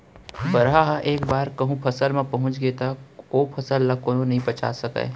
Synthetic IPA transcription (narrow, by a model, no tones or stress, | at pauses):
bɐɾɦaɦaʔeːkbaːɾkɐɦũpʰɐsəlmẽpɐɦʊ̃t͡ʃɡeːt̪aoːpʰɐsəlːakonõnɐɦĩbɐt͡ʃʰa̰ːsɐkḛː